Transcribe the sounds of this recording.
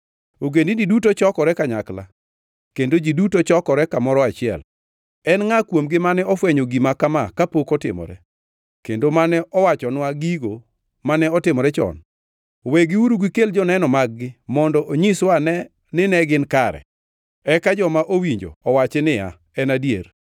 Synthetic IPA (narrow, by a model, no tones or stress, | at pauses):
oɡendididutot͡ʃɔkɔɾɛkaɲakla̰ | kendod͡ʒidutot͡ʃɔkɔɾɛkamɔɾɔat͡ʃɪɛ̰l | ɛnŋakwomɡɪmanɛɔfwɛɲoɡimakamakapokɔtɪ̰mɔ̰ɾɛ̰ | kendomanɛʔɔwat͡ʃɔnwaɡiɡo | manɛɔtɪmɔɾɛt͡ʃɔ̰n | weɡiuɾuɡwikeld͡ʒɔnɛnɔmaɡ̚ɡɪmɔndɔʔoɲiswanɛ | nɪnɛɡɪnkaɾɛ̰ | ɛkad͡ʒɔmaʔowiɲd͡ʒo̰ɔwat͡ʃɪnɪja̰ | ɛnadjḛɾ